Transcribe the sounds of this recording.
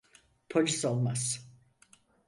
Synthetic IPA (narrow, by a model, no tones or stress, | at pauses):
pʰɔlʲisɔlˠmas